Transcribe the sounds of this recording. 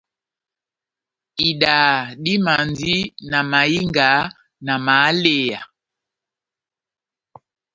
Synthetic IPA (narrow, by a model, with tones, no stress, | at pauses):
i˨ɗa˨ɗi˦ma˨ndi˦na˨ma˨i˦ŋɡa˨˦ | na˨ma˨˦le˦˨ja˨